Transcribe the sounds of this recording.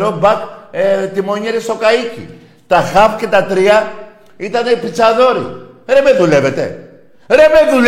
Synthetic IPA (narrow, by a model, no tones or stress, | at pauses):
ɾobak̪̚et̪imoɲeɾisokaikḭ | t̪axapket̪at̪ɾia | it̪aneipit͡ʃaðoɾḭ | ɾɛmɛðuleβet̪ḛ | ɾemeðul